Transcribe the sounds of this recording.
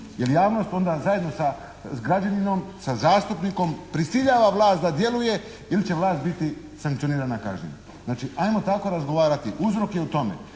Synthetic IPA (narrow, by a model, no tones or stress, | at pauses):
jeljaːʋno̞st̪o̞nd̪azaje̞d̪nosa | ɡɾad͡ʑanino̞msazaːst̪upniko̞mpɾisiʎaːʋaʋlˠaːst̪d̪ad̪je̞luje̞ | ilit͡ɕeʋlaːst̪̚bit̪i | saŋkt̪sio̞niːɾanaka̰ʒɲḭɲa | znaːt͡ʃiajmo̞t̪ako̞ɾazɡo̞ʋaːɾat̪iʔuzɾo̞kjeut̪o̞mḛ